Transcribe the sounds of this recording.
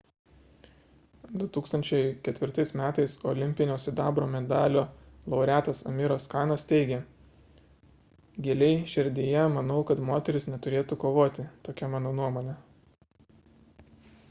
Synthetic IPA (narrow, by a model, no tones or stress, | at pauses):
d̪ʊt̪uːkst̪ɐnʲt͡ʃʲɛɪkʲɛt̪ʲʋʲɪɾt̪ɐɪsmʲæːt̪ɐɪsɔlʲɪmʲpʲɪnʲoːsʲɪd̪ɑːbɾoːmʲɛd̪ɑːlʲoːlˠɐʊɾʲæːt̪ɐsɐ̰mʲɪɾoskɑːnɐst̪ʲɛɪɡʲeː | ɡʲeːlʲɛɪʃʲɪɾʲd̪ʲiːjɛmɐnɒʊkɐt̪moːt̪ʲɛɾʲɪsnʲɛt̪ʊɾʲeːt̪ukoːʋoːt̪ʲɪt̪oːkʲɛmɑːnoːnuɔmoːnʲɛ